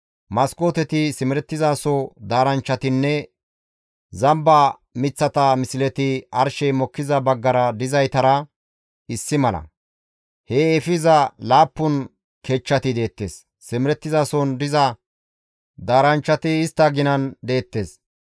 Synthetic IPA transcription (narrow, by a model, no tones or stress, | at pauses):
mɐskoːt̪ɛt̪ɪsɪmɪɾɛt̪ːɪzaːsɔd̪aːɾɐnt͡ʃːɐt̪ɪnːɛ | zɐmbɐ | mɪt͡sːɐt̪ɐmɪsɪlɛt̪ɪɐɾʃɛmɔkːɪzɐbɐɡːɐɾɐd̪ɪzɐjt̪ɐɾɐ | ɪsːɪmɐlɐ̰ | heɛfɪzɐlaːpːʊn | keːt͡ʃːɐt̪ɪd̪e̞ːt̪ːe̞ːsː | ɪmɪɾɛt̪ːɪzaːsɔnd̪ɪzɐ | d̪aːɾɐnt͡ʃːɐt̪ɪːst̪ːɐɡɪnɐnd̪e̞ːt̪ːe̞ːs